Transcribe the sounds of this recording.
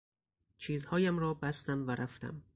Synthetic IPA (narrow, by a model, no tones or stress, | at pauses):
t͡ʃʰiːzhɒːjæmɾɒːbæst̪æmvæɾʔæft̪æ̰m